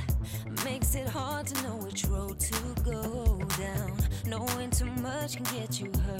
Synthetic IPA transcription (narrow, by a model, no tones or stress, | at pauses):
meɪksɪt̚hɑɹd̚tʰɨnoʊɪt͡ʃɹoʊd̚tʰɨɡoʊdãʊ̃nːoʊwʌ̃ntʰumʌt͡ʃkʰn̩ɡɛt͡ʃɨɦɜ˞